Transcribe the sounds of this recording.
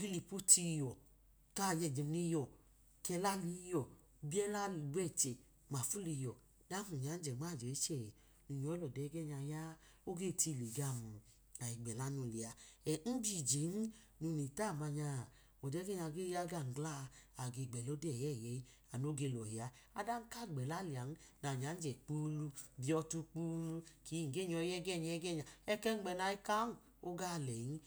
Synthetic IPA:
ɡi˦li˧pu˦tʰi˧jɔ˨ | ka˦˨jɛ˧˨d͡ʒi˨m˧ni˧˦jɔ˨ | kɛ˧la˦li˨˧˦jɔ˨ | bi˦ɛ˦la˦˧˨ɡ͡bɛ˦˨t͡ʃɛ˨ | ma˨fu˦li˧˨jɔ˨ | da˦ũ˨ɲa˨˦n̩˦d͡ʒɛ˨ŋ͡ma˦˨d͡ʒe˨˦t͡ʃɛ˦˨ | nũ˨˧˨ɲɔ˧˦ɛ˦lɔ˨dɛ˨˦ɡɛ˦ɲa˧ja˦ | o˦ɡe˦˨tʰi˧˨li˨ɡa˦˨mũ˨ | a˨i˨ɡ͡bɛ˨la˦nu˧˨li˨a˧ɛ˨n̩˦bi˦˨d͡ʒe˨˦n˦ | nu˧ni˨ta˦˨ma˧ɲa˧˨ | ɔ˨dɛ˦ɡɛ˦ɲa˧ɡe˦ja˦ɡa˦˨n̩˨ɡla˦˨˧a˨ɡe˧˨ɡ͡bɛ˨lo˦dɛ˦˨jɛ˦˨jɛ˨˦i˦ | a˨no˦ɡe˧˨lɔ˨hi˨a˨˦ | a˦da˦n̩˦ka˦˨ɡ͡bɛ˨la˦li˨a˨n˦na˨ɲ˨a˨˦n̩˦d͡ʒɛ˨k͡pu˦lu˧bi˨˧ɔ˧tu˧k͡pu˦lu˧ki˨˦ŋ̩˨ɡe˦˨ɲɔ˧˦jɛ˦ɡɛ˦˨ɲa˧ɛ˦ɡɛ˦˨ɲa˨ɛ˦kɛ˦n̩˦ɡ͡bɛ˧˨na˧˨i˦ka˦n̩˨ | o˦ɡa˦˨lɛ˨ji˦

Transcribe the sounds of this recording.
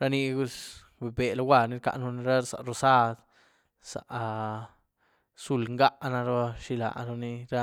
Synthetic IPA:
ɾa˦˧ni˧ɡu˧s | be˨be˨la˧wʷa˧˨ni˧˦ɾka̰˧ʔnu˧ni˧ɾa˦sa̰˨ʔɾo˧sa˦d̪ | sa̰˨ʔ | su˧lŋɡa˦ʔna˧ɾo˧ʃi˧la̰˨nu˧ni˧ɾa˦

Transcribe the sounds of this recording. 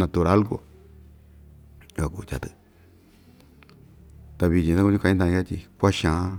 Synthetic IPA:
nã˧t̪u˧ɾa˦lku˨˧ | a˨ku˨t͡ʃa̰˨t̪ɨ˨ | t̪a˧βi˧d͡ʒĩ˧a˦kũ˦ɲĩ˦kã˧˦ĩ˦t̪̬ã˧ĩ˧a˦t̪i˧kʷa˦ʃã˨˦

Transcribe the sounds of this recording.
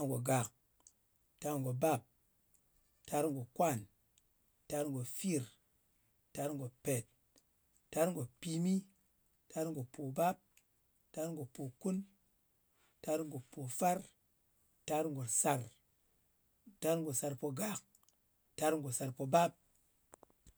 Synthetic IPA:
ŋɡo˨ɡa˨k̚ | ta˧ŋɡo˨ba˦p̚ | ta˧˦ɾŋ˨ɡo˨kwa˦˨n | ta˧˦ɾŋɡo˨fi˦˨ɾ | tːa˧˦ɾŋ˨ɡo˨pe˨t | ta˦ɾŋɡo˨pi˧mi˦ | ta˧˦ɾŋɡo˨po˨ba˦p̚ | ta˧˦ɾŋ˦ɡo˨po˨ku˦n | ta˧˦ɾŋ˨ɡo˨po˨fa˦ɾ | ta˧˦ɾŋ˨ɡo˨sa˧ɾ | ta˧˦ɾŋɡo˨sa˧ɾpo˧ɡa˨˦k̚ | ta˧˦ɾŋɡo˨sa˨˧ɾpo˧ba˦p̚

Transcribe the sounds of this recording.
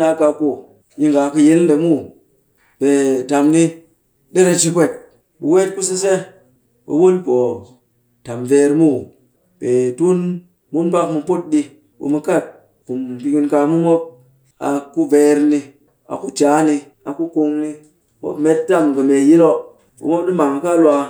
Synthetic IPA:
a˧ka˧ku˦˨ | ji˧ŋɡa˨kɨ˧ji˦lɗe˨mu˦˨ | b̥e˨ta˨mni˦ | ɗe˦ɾe˧t͡ʃi˧pʷe˦˨t̚ | ɓu˨we˦t̚ku˦s̬e˦s̬e˦ | ɓḛ˨wo˦lpo˨ | ta˨mve˧˦ɾmu˦˨ | b̥e˨tu˦n | mu˦npa˧kmu˧po˦t̚ɗi˧ | ɓo̰˨mɨ˧ka˦˨t̚ | ku˨mpi˧ki˧nka˧mu˦mo˦p̚ | a̰˨ku˦ve˧ɾni˧ | a̰˨ku˦d͡ʒa˨˦ni˧ | a˨ku˦ko˧ŋni˧ | mo̰˦pme˧ttːa˦˨mkɨ˨me˨ji˦lo˦ | ɓṵ˨˦mo˦pɗi˦ma˨ŋ˨ka˦lwa˧

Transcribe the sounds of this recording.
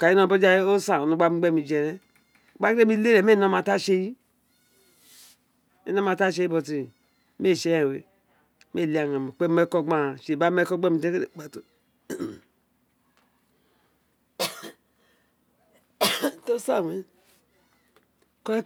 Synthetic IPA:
ka˨i˦no˦˨bo˦d͡ʒa˦o˦sa˨o˨nu˨ɡ͡ba˦i˦ɡ͡be˦˨mi˨d͡ʒe˨ɾɛ˦˨ | ɡ͡ba˦ɾe˦mi˦le˦ɾe˨m˦e˦˨no˦ma˨ta˦ʃe˦ji˦ | e˦no˦ma˨ta˦ʃ̬e˦i˦bo˨ti˨ | me˦˨ʃe˦˨wḛ˨˦ | me˦˨i˨˦a˨ŋa˨mi˨k͡pe˦me˦kɔ˦ɡ͡ba˦˨ʃe˨ba˦e˦kɔ˦ɡ͡be˦mi˨te˦e˦e˨˦k͡pa˨to˨ | to˦sa˦˨we˨ | ko˦

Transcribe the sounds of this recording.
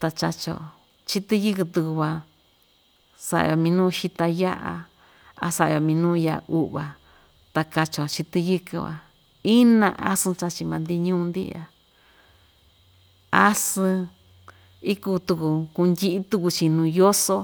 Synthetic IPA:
t̪a˧t͡ʃa˧t͡ʃo̰˨ | t͡ʃi˦t̪ɨ˦˧jɨ˦kɨ˧t̪u˧ku˧βa˧ | sa̰˧ʔo˧mĩ˧nũː˦˧ʃi˧t̪a˧ja˦ʔa̰˧ | a̰˧sa˧jo˧˨mĩ˧nũː˦˧ja˧ʔu˦ʔβa˨ | t̪a˧ka˧t͡ʃo˨t͡ʃi˧t̪ɨ˧jɨ˧kɨ˧βa̰˨ | i˦nã̰˧ʔa˦sɨ̃˧t͡ʃa˧t͡ʃi˧mã˧nd̪i˧ɲũ˦˧nd̪ḭ˦˧a˧ | a˦sɨ̃˧ | i˦kuː˧t̪u˧ku˧ku˧nd̪ʲi˧ʔi˦t̪u˧ku˧t͡ʃi˧nũː˧jo˦so˧˦

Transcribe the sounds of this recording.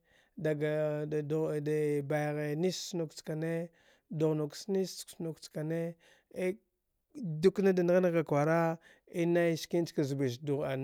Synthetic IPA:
da˨ɡa˨ | da˨ba˨jɣe˨ni˦snu˨kt͡ska˨ne˦ | du˨ɣnu˨ksni˦ssnu˨kt͡ska˨ne˦ | e˦ | du˦kna˦da˨na˦ɣna˦ɡa˨kwa˨ɾa˦ | i˦na˦jski˦n˦t͡ʃka˨zbi˨ʃ̬du˨ɣa˨n

